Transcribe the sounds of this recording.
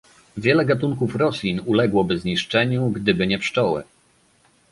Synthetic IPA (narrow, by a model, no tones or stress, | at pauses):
vʲjɛlɛɡat̪̬uŋkufɾɔsʲlʲinulɛɡwɔbɘzɲiʂt͡ʂɛɲuɡd̪ɘbɘɲɛpʂt͡ʂɔwɘ̰